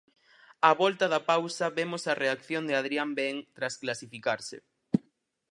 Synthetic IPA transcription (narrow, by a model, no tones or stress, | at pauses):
aβɔlt̪ɐðɐpawsɐβemosɐreakθjond̪ɪað̞ɾiambɛŋt̪ɾasklasifikaɾsɪ̰